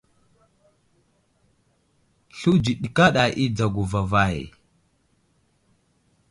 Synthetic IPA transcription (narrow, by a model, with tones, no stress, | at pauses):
ɬu˦d͡ʒi˨ɗi˨ka˦ɗa˨ʔi˦d͡za˨ɡu˨va˨va˨j